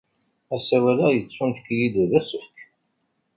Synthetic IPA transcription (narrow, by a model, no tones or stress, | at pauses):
æsæwælæjət͡sːʊnfkjid̪uðæsəfk